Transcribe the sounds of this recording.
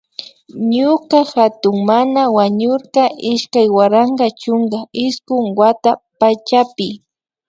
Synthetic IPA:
ɲʊkaxat̪ʊŋmanawaɲʊɾqɑʔɪʃkajwaɾaɴɢɑt͡ʃʊŋɡaɪskʊŋwat̪apat͡ʃapɪ

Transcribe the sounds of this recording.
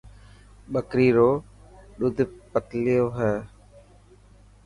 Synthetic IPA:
ɓəkɾiːɾoː | ɗʊd̪ʱpəklɪjoːɦɛː

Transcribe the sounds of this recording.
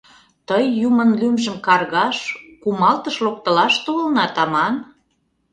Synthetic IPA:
t̪əjːumənlymʒə̆mkɑrɣɑʃkumɑlt̪əʃlok̚t̪ə̆lɑʃt̪oəlnɑt̪ɑmɑn

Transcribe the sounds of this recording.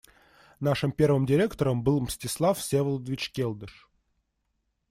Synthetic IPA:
naʂɨmpʲervɨmdʲɪɾʲekt̪əɾəmbɨlˠmsʲtʲɪslˠafsʲevəlˠud̪əvʲɪt͡ɕkʲelˠd̪əʂ

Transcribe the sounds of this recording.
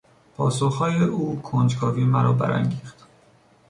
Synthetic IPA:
pʰɒːsoxhɒːjeʔuːkʰond͡ʒkʰɒːviːmæɾɒ̰ːbæ̰ɾæ̰ŋɡiːxt̪

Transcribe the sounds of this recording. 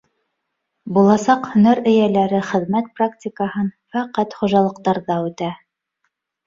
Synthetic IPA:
bulˠɑsɑqhɵ̆næɾɘ̆jælæɾɘχɘ̆ðmæt̪̚prak̚tʲɪkəɦɤnfæqæt̪χuʒɑlˠɤ̆qt̪ɑɾðɑʉt̪æ

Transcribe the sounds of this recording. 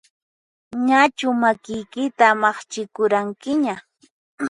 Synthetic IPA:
ɲat͡ʃʊmakɪjkɪt̪amɑχt͡ʃɪkʊɾaŋkɪɲa

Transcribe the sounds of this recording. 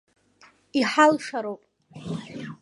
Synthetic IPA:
iħalʂaɾowpʼ

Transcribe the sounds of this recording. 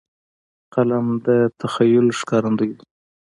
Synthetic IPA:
qalamd̪ət̪ʰaxajʊlʂkɑɾand̪ujd̪u

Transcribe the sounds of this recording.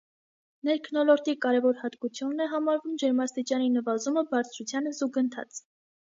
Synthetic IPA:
nɛɾkʰnɔlɔɾt̪ikɑɾɛvɔɾhɑt̪kut͡sʰjunːɛɦɑmɑɾvumd͡ʒɛɾmɑst̪it͡ʃɑninəvɑzuməbɑɾt͡sʰɾut͡sʰjɑnzuɡənt̪ʰɑ̰t͡s

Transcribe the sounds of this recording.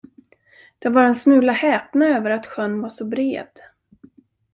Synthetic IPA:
d̪̥ɛvaɾɛnsmʉ̟ːlahɛːpnaøːvəɾat̪ɧœnːvaʂɔbɾḛːd̪̥

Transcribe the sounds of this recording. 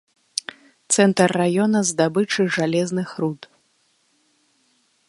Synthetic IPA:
t̪sɛnt̪ɐrːajɔnɐzd̪abɨt͡ʂɨʐalʲɛznɨxɾut̪

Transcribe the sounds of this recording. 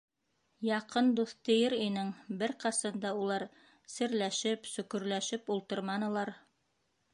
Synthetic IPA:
jɑqɤnd̪uθt̪ɘ̆jɘɾinɘŋbɘɾqɑsɑnd̪ɑulˠɑɾ | sɘ̆ɾlæʃɘpsɵ̆kɵ̆ɾlæʃɘpulˠt̪ɤɾmɑnɤ̆lˠɑɾ

